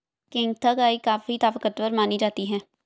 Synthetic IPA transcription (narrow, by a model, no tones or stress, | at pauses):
kɪ̃ŋɡt̪ʰaɡaːikaːfit̪aːfəkət̪ʋəɾmaːnid͡ʒaːt̪iɦɛː